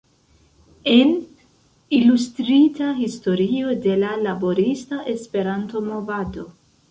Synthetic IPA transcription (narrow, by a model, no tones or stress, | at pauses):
e̞n | ilustɾitaɦisto̞ɾio̞de̞lalabo̞ɾistaʔe̞spe̞ɾanto̞mo̞vado̞